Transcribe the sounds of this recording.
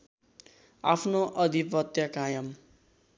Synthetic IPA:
a̰pʰnoʔʌd̪ʱipʌt̪jʌkajʌm

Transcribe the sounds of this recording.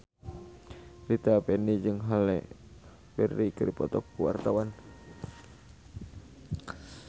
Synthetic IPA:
lit̪apɛnid͡ʒɨŋɦalɛ̰ | bɛrːikəɾipɔt̪ɔkːuwa̰rt̪awan

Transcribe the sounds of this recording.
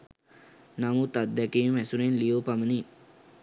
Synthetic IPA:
namut̪ad̪̚d̪ɛkemæsuɾenlioːpaməni

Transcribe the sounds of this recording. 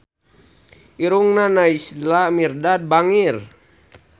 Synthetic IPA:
iɾuŋnanaislamirdad̚baŋir

